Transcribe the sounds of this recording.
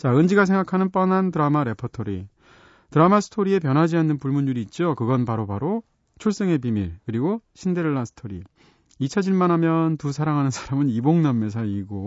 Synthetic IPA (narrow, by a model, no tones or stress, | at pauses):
t͡ɕaɯnd͡ʑiɡasʰeŋɡakʰanɯnp͈ʌnantɯɾamaɾe̞pʰʌtʰoɾi | tɯɾamasʰɯ̥tʰoɾie̞p̬jʌnɦad͡ʑianːɯnpuɭmunːuɾiːt̚t͡ɕ͈okɯɡʌnpaɾopaɾo | t͡ɕʰoɭs͈ɯŋe̞p̬imiɭkɯɾiɡoɕʰinde̞ɭːasʰɯ̥tʰoɾḭ | it͡ɕʰad͡ʑinmanɦamjʌntusʰaɾaŋɦanɯnsʰḁɾamɯniboŋnamːes̬ʰaiɡo